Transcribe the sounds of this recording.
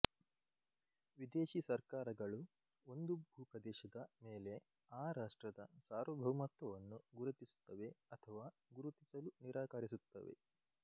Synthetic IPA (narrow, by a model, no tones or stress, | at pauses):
ʋid̪eːʃisɐɾkaːɾɐɡɐɭu | o̞nd̪ubʱuːkɐd̪ɛːʃɐd̪ɐmeːle̞ | aːɾaːʂʈɾɐd̪ɐsaːɾʋɐbʱɐʋɐmɐt̪ʋɐʋɐnːuɡuɾɐt̪isu̥t̪ːɐʋe̞ɐt̪ʰɐʋaː | ɡuɾut̪isɐluniɾaːkaːɾisut̪ːɐ̰ʋḛ